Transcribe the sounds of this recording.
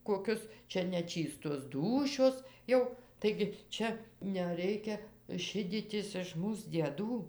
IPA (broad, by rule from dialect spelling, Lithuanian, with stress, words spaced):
koːˈkʲʊs ˈt͡ʃʲɛ nʲɛˈt͡ʃʲiːstoːs ˈduːʃʲoːs ˈjɛʊ tɐɪɡʲɪ ˈt͡ʃʲɛ nʲɛˈrʲɛɪkʲɛ ˈʃʲɪdʲiːtʲɪs ɪʃ ˈmuːs dʲiɛˈduː